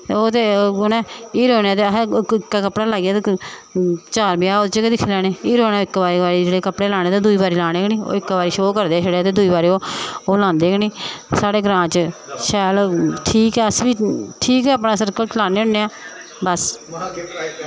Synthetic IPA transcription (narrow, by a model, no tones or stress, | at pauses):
oːt̪eːnɛ̃ːiːɾoːnːt̪eːɦɪkːaːkəpɽaːlaːɡjaːt̪ | t͡ʃaːɾbjaːoːd̪t͡ʃkd̪ɪkʰːeːlɛːneːiːɾoːneːoɪkːbaːɾiːbaːɾiːd͡ʒeːɽeːkəpɽeːlaːnẽːt̪eːd̪uiːbaːɾiːlaːɽ̃eːɡniːo̰ːɪkːbaːɾiːʃəoːkəɾd̪eːʃəɽeaːt̪eːd̪uiːbaːɾiːoːoːlãːnd̪eːɡniːsaːɽeːɡɾãːt͡ʃʃɛːlʈʰiːkɛːəsʋiːʈʰiːkɛːaːpnaːsəɾkəlt͡ʃlaːneːʊ̃nːeːaː | bəs